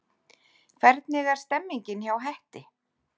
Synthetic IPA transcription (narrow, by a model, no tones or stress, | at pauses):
kʰvɛɾt̪nɪɣaɾ̥st̪ɛmːiɲcɪnçawɦɛht̪ɪ